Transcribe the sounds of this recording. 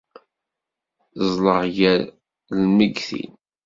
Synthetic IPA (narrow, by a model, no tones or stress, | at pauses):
zˤləʁjæɾ | lməɡθḭn